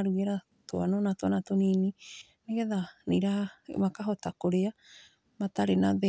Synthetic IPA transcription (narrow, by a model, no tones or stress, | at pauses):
ɾueɾa | toa̰nonatoanatoniːni | neɡeðaniɾamakaɦotakoɾea | mataɾenaðe